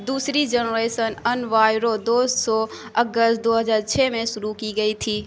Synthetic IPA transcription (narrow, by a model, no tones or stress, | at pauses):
d̪uːsɾid͡ʒənɾeːsənənʋaːɪɾod̪oːssɔɐɡəst̪̚d̪oːɦəzaːɾt͡ʃʰɛːmẽʃʊɾukiɡɐit̪ʰiː